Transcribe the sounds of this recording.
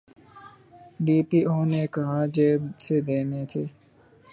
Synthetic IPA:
ɖiːpiːʔoːnekɐɦad͡ʒeːbsed̪eːnet̪ʰeː

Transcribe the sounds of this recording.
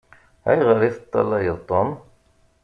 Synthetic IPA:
æ̰jʁəɾiθət̪ˤːɑ̰lːɑjəðˤt̪ˤːon

